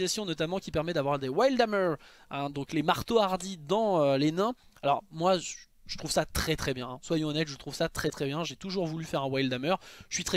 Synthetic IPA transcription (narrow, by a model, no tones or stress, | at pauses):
zasjɔ̃nɔt̪amɑ̃kʲipɛʁmɛd̪avwaʁd̪ewajld̪amœʁ | ɛ̃d̪ɔ̃klemaʁt̪oaʁd̪id̪ɑ̃ølenɛ̃ | alɔʁmwa | ʒət̪χuv̥sat̪χɛt̪χɛbjɛ̃swajɔ̃ɔnɛt̪ʒət̪χuv̥sat̪χɛt̪χɛbjɛ̃ʒet̪uʒuʁvulyfɛʁɛ̃wajld̪amœʁʒəsɥit̪χɛ